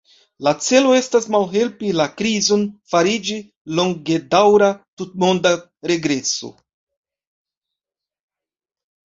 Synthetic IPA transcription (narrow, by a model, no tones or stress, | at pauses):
lat͡se̞lo̞e̞stasmalɦe̞lpilakɾizo̞nfaɾid͡ʒi | lo̞ŋɡe̞dawɾatut̚mo̞nda | ɾe̞ɡɾe̞so̞̰